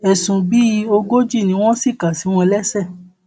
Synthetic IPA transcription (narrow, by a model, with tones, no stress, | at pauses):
ɛ˨sũ˨bi˦˧o˧ɡo˦d͡ʒi˦˨nĩ˧˦w̃ɔ̃˦si˦˨ka˨si˨˦w̃ɔ̃˧lɛ˦sɛ˦˨